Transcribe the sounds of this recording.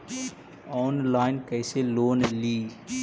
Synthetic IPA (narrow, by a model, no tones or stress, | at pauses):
ɔːnlaːɪnkɐɪseloːnliː